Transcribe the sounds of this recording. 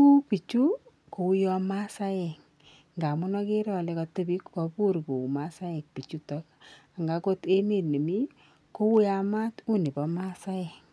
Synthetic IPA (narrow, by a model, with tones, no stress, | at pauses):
u˦pi˨t͡ʃu˦ | ko˨u˦jɔ˧ma˦sa˦jɛ˨ŋ | ŋɡa˨mu˦nɔ˦ke˦ɾɔ˦lɛ˦kɔ˧te˦bi˦kkɔ˨pu˦ɾko˨ma˦sa˦jɛ˨k̚pi˨t͡ʃu˦tɔ˦ka˨ŋɡa˨ko˦te˦me˦˨tne˨mi˦ | ko˦wu˦ja˦ma˦tu˦ni˨bɔ˨ma˦sa˦ɛ˨ŋ